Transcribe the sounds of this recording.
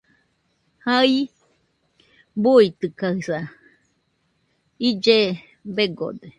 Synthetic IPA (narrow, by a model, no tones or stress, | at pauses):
hai | buit̪ɯkahɯsa | id͡ʒe | beɡo̰d̪e